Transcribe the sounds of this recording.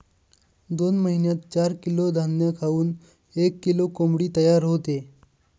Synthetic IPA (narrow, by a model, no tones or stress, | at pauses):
d̪onməɦinjat̪̚t͡ɕaɾkilod̪ʱanjəkʰauːn | ekːilokomɽiːt̪əjaɾɦot̪e